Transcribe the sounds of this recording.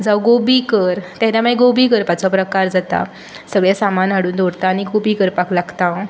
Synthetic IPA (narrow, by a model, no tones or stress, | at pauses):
d͡zawɡobiːkəɾt̪aɾamajɡobiːkəɾpat͡sɔpɾəkaɾd͡zat̪a̰ | səɡɭjasamanɦaɽuːnd̪ʱoɽt̪aːñiɡobikəɾpaklaɡt̪a